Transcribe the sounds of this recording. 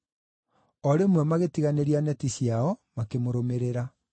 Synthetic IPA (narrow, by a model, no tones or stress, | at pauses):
ɔɾemwɛmaɣetiɣaneɾianɛtisjaɔmakemoɾomeɾeɾa